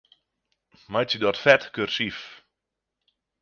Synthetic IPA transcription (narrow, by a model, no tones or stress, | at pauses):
majsidɔtfɛtkørsif